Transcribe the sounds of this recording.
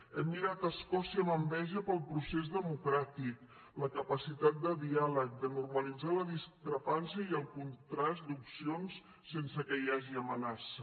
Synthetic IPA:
ɛmːiɾat̪əskɔsiəməmbɛʒəpəlˠpɾusezðəmukɾat̪ik | ləkəpəsit̪at̪̚d̪əðialək̚d̪ənurməlid͡zaləðiskɾəpansiəiəlˠkunt̪ɾasd̪upsionsː | ensəkəiaʒiəmənasə

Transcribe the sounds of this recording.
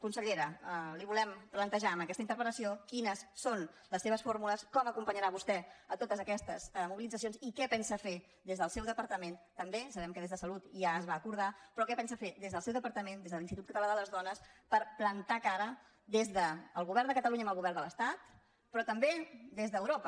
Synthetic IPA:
kunsəʎeɾəliβulɛmplənt̪əʒaəmbəkɛst̪əint̪əɾpələsiokinəsːonləsːeβ̞əsfoɾmuləskɔməkumpəɲəɾaβust̪ɛət̪ot̪əzəkɛst̪əzəmuβilidd͡zəs̬jonzikɛpɛnsəfe | d̪ezðəlˠsɛwðəpəɾt̪əment̪əmbesəβɛmkəðezðəsəlut̪ʒaəzβaːkuɾð̞apɾɔkɛpɛnsəfed̪ezðəlˠsɛwðəpəɾt̪əmend̪ezðəlinit̪ut̪̚kət̪əlaððələzðɔnəspəɾplənt̪akaɾə | d̪ezðəːlˠɣuβ̞ɛɾrnd̪əkət̪əluɲəməlˠɣuβɛrnd̪ələst̪at̪ | pɾɔt̪əmbed̪ezðəːwɾopə

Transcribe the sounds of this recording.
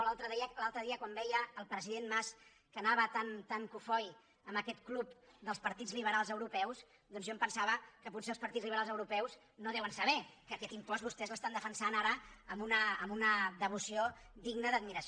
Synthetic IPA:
lalˠt̪ɾəðiəlalˠt̪ɾəðiəkwambɛjəːlˠpɾəziðenmas | kənaβət̪ant̪aŋkufɔj | əməkɛt̪klup̚d̪əlˠspəɾt̪id͡zliβ̞əɾalˠzəwɾupɛws | ðɔnzʒɔmpənsaβəkəputseəlˠspəɾt̪idd͡zliβəɾalˠzəwɾupɛwz | noðɛwənsəβɛkəːkɛt̪impɔzβust̪ɛzləst̪and̪əfənsanaɾəːmunəːmunəðəβ̞usiod̪iɡnəðəd̪̚miɾəs

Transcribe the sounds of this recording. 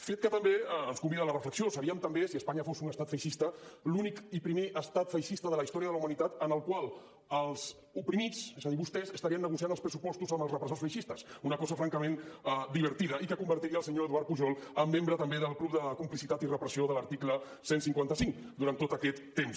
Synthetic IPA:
fet̪̚kət̪əmbeənskumbiðələrəfləksiosəɾiəmt̪əmbesiəspaɲəfosunəst̪at̪fəjʃist̪əlunikipɾimeʔəst̪at̪fəjʃist̪əðələist̪ɔɾiəðəumənit̪at̪ənəlˠkwalˠ | əlˠz | upɾimit͡sesəðiβust̪ɛzəst̪əɾiənːəɣ̞usianəlˠspɾəsupɔst̪uzəmbəlˠzrəpɾəsosfəjʃist̪əsunəkɔzəfɾaŋkəmenəd̪iβəɾt̪iðəikəkumbəɾt̪iɾiəlˠsəɲoəðuaɾt̪puʒɔlˠəmːembɾət̪əmbeðəlˠklup̚d̪əkumplisit̪at̪irəpɾəsioðələɾt̪iklə | sensiŋkwant̪əsiŋ | d̪uɾant̪ot̪əkɛt̪ːems

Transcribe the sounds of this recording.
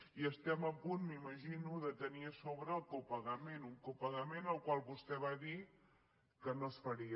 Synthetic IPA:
iəst̪ɛməpunmiməʒinuðət̪əniəsoβɾəːlˠkopəɣəmenuŋkopəɣəmenəlˠkwalˠβust̪ɛβaði | kənosfəɾi

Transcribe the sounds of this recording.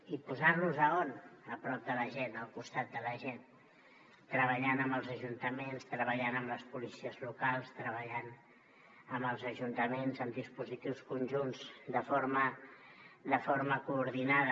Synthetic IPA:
ipuzarnuzəonəpɾɔp̚d̪ələʒenəlˠkust̪at̪̚d̪ələʒen | t̪ɾəβ̞əʎanəmbəlˠzəʒunt̪əmenst̪ɾəβəʎanəmləspulisiəzlukalˠst̪ɾəβ̞əʎan | əmbəlˠzəʒunt̪əmenzəmd̪ispuzit̪iwskunʲʒunzd̪əfoɾmə | d̪əfoɾməkuːɾðinaðə

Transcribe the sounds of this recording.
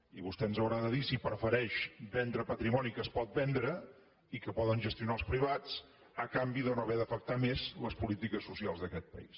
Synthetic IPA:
iβust̪ɛnzəwɾaðəðisipɾfəɾɛʃbɛnd̪ɾəpət̪ɾimɔnikəspɔt̪̚bɛnd̪ɾə | ikəpɔðənʒəst̪iunaəlˠspɾiβ̞at͡s | əkambiðonoβɛðəfək̚t̪amezləspulit̪ikəsːusialˠzðəkɛt̪̚pə̰is

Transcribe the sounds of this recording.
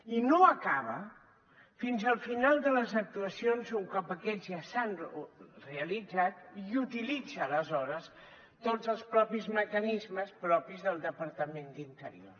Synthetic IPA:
inoəkaβ̞ə | finzəlˠfinalˠd̪ələzək̚t̪uəsionzuŋkɔpəkɛzjasanreəlid͡zat̪̚jiut̪ilid͡zəːləzɔɾəs | t̪od͡zəlˠspɾɔpizməkənizməspɾɔpizðəlˠd̪əpəɾt̪əmend̪int̪ə̰ɾḭo̰r

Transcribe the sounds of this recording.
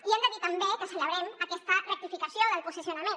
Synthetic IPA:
iɛnd̪əðit̪əmbekəsələβ̞ɾɛməkɛst̪ərək̚t̪ifikəsioðəlˠpusisjunəmẽ

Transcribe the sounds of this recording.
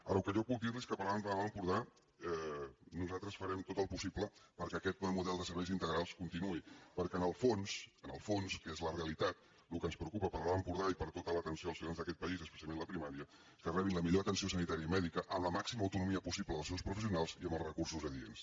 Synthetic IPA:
aɾəwkəʒɔβuk̚d̪irliskəpəɾlanaampuɾða | ɛnuzat̪ɾəsfəɾɛmt̪ot̪əlˠpusipləpəɾkɛkɛt̪̚muðɛlˠd̪əsəɾβɛjzint̪əɣɾalˠskunt̪inuipəɾkɛənəlˠfonsənəlˠfonskezləreəlit̪at̪̚ | lukənspɾəukupəpəɾlaampuɾðaipəɾt̪ot̪ələt̪ənsioəlˠsfionzðəkɛt̪̚pəizəspə̥sjalˠmẽnləpɾimaɾiə | skərɛβinləmiʎoət̪ənsiosənit̪aɾiəimɛðikəʔəmləmaksiməwt̪unumiəpusipləðəlˠsewspɾufəs̬iunalˠziəmbəlˠzrəkursuzəðiḛns

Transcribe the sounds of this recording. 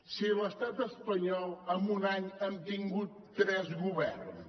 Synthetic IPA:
siləst̪at̪əspəɲɔlˠəmbunaɲəmt̪iŋɡut̪ːɾɛzɣuβɛrn

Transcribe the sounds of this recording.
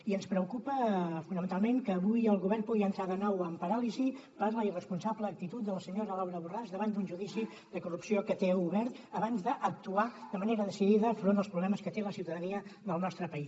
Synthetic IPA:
iənspɾəukupəfunəmənt̪alˠmeŋkəːβujəlˠɣuβɛrnpuɣiənt̪ɾaðənɔwəmpəɾalizipəɾləirəspunsabləːk̚t̪it̪ut̪̚d̪ələsəɲoɾəlawɾəβurazdəβand̪unʒuðisi | d̪əkurupsiokət̪euβɛɾt̪əβanzd̪əʔək̚t̪uad̪əməneɾəðəsiðiðəfɾond̪əlˠspɾuβlɛməskət̪eləsiwt̪əðəniəðəlˠnɔst̪ɾəpəis

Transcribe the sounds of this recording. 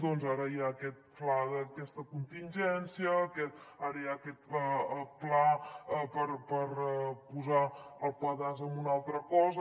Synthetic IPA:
d̪ɔnzaɾəjaːkɛt̪̚plaðəkɛst̪əkunt̪inʲd͡ʒɛnsiəːkɛt̪aɾəjaəkɛt̪̚əplaəpəɾpəɾpuzaəlˠpaðazəmbunalˠt̪ɾəkɔzə

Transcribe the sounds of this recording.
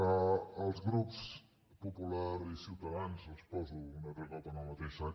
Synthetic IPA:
əəlˠzɣɾups | pupulaɾisiwt̪əðanzəlˠspɔzuːnərəɣɔlt̪ənəlˠmət̪eʃa

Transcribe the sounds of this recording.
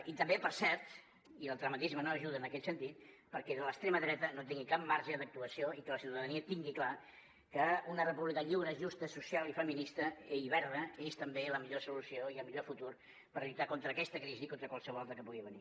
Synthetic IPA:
it̪əmbepəɾsɛɾt̪ | iəlˠt̪ɾəmət̪izmənoəʒuðəːnəkɛt̪sənt̪it̪̚ | pəɾkɛðələkst̪ɾeməðɾɛt̪ənot̪iŋɡikap̚maɾʒəðək̚t̪uəsioikələsiuwt̪əðəniət̪iŋɡikla | kəunərəpuβlikəʎiwɾəʒust̪əsusialˠifəminist̪əeiβ̞ɛɾðəest̪əmbeləmiʎosulusioiəlˠmiʎofut̪ur | pəɾʎut̪akont̪ɾəːkɛst̪əkɾizikont̪ɾəkwalˠsəβɔlat̪ɾəkəpuɣiβənḭ

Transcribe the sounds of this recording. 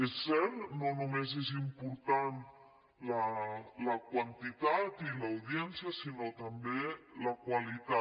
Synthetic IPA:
esɛɾnonumezezimpuɾt̪an | lalakwant̪it̪at̪ilaːwðjɛnsjasinot̪ambelakwalit̪a

